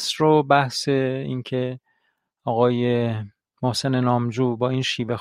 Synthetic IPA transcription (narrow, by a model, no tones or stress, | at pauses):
sɾobæhse̞ḭːncʰe̞ | ɒːɣɒːje̞ | mohse̞nenɒːmd͡ʒuːbɒːiːnʃiːvex